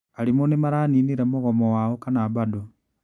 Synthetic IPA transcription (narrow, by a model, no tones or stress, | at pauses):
alimonemaɾaːniniɾemuɣɔmɔwaokanabado